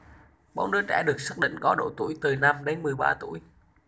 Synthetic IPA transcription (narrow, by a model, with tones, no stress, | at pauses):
ɓɔ̰˧˥wnɨ˦˧˥ək̚t͡ɕɛ̰˧˥ɗɨ˨˩ək̚sə˦˥k̚ɗḭ˧˨ŋkɔ˨˦ɗo̰˧˩t̪ṵ˧˩jt̪ɨ˨˩na˧mɗe˨˦nmɨ˨˩əjɓaː˧t̪ṵ˧˩˥j